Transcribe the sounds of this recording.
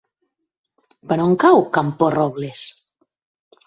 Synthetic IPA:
panoŋkawkamporɔβles

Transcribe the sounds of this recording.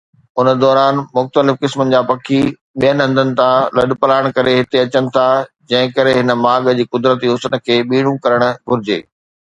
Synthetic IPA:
ʊnə̆d̪ɔːɾaːnmʊxt̪əlɪfkɪsmənɪ̆d͡ʑaːpɐkʰːi | ɓijənɦɐ̃nd̪ʱənɪ̆t̪ʰãlɐɗpɐlaːɪɽ̃kɐɾeɦɪt̪eɐt͡ɕəñɪ̆t̪ʰa | d͡ʑɐ̃ɦɪ̃kɐɾeɦɪnə̆maːɡd͡ʑiːkʊd̪ɾət̪iɦʊsənə̆kʰeːɓiːɽ̤̃ũkɐɾəɽ̃ɡʱʊɾɪd͡ʑḛː

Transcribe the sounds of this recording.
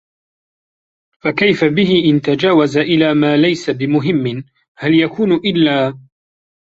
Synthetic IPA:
fakajfabɪɦɪʔɪnt̪ad͡ʒaːwazaʔɪlaːmaːlajsabɪmʊɦɪmːɪn | haljakuːnʔɪlːaː

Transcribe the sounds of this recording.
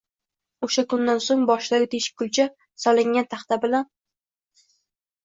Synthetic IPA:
oʃakʊnd̪ansoŋbɒʃlaɡʲɪt̪ʰeʃɪ̥p̚kʰʊlt͡ʃʰa | sɒlɪŋʲant̪ʰaχt̪ʰabɪlan

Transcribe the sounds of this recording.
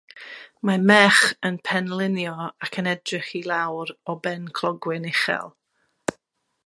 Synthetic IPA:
mamɛχənpʰɛnlˠɪnjɔakʰənɛdrɪχilˠawɾɔbɛnkʰlˠɔɡwɪnɪχɛ̰lˠ

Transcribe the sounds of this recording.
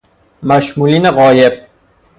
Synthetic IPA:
mæʃmuːliːneɣɒːjeb̚

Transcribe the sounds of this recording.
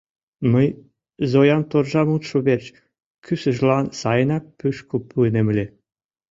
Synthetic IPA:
məj | zojɑnt̪orʒɑmut̪ʃoβert͡ɕ | kysə̆ʒlɑnsɑjə̆nɑk̚pyʃkopuenemlʲe

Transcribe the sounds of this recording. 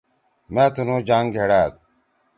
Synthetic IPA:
mẽːt̪unoːd͡ʑaːŋɡʱeɽaːt̪̚

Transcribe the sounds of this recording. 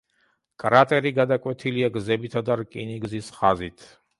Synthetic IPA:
kʼɾat̪ʼɛɾiɡad̪akʼwɛt̪ʰiliaɡzɛbit̪ʰad̪aɾkʼiniɡzisχazit̪ʰ

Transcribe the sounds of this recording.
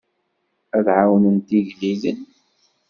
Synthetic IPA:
æðʕawnənt̪iʝlilən

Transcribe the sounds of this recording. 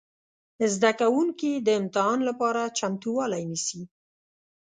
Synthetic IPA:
zd̪akawuŋkid̪əɪmt̪ɪɦɑnlapɑɾat͡ʃamt̪uwɑlajnisi

